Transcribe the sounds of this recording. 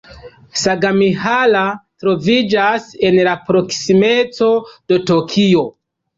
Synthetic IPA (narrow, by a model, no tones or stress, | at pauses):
saɡamihalatɾo̞vid͡ʒase̞nlapɾo̞ksime̞t͡so̞d̥o̞tokʰio̞